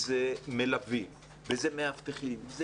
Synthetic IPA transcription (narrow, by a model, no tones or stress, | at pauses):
zemelavi | vezemeaft̪eχimvz